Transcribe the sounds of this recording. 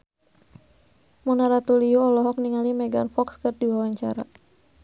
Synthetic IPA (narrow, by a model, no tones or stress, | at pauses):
munaɾat̪uliuɔlɔɦɔk̚niŋalimɛɡanfɔkskərdiwawaɲt͡ʃa̰ɾa̰